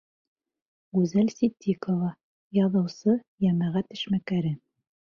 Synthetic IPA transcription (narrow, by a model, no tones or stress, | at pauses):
ɡʉzælsit̪ʲʰːikə̆vɑ | jɑðɤ̆wsɤ | jæmæʁæt̪ɘ̆ʃmækæɾɘ